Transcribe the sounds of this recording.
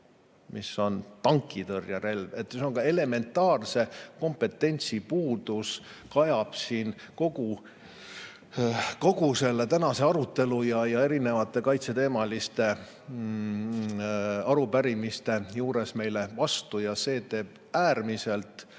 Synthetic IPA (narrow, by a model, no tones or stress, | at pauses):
mʔisːo̞nt̪ɑŋkˑːit̪ɤrjɑɾe̞lve̞t̪ːioŋkɑe̞le̞me̞nt̪ːˑɑːrse̞ko̞mpe̞t̪ːe̞nʲt̪sipuːd̪̥uskɑjɑb̥siːn | ko̞ɡu | ko̞ɡuse̞lːe̞t̪ænɑse̞ɑɾut̪ːe̞lujɑjɑe̞ɾine̞vɑt̪ˑːe̞kɑjt̪se̞t̪e̞ːmɑlist̪e̞ | ɑɾupæɾimist̪e̞juːɾe̞sme̞jle̞vɑst̪ujɑse̞ːt̪e̞ːb̥̚ | æːrmise̞lt̪ˑ